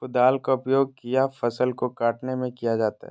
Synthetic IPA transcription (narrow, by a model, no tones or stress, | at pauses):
ʊd̪aːlkaʊpjoːɡ̚kijafɐsəlkokaːʈnemẽkijad͡ʒaːt̪a̰ɦɛ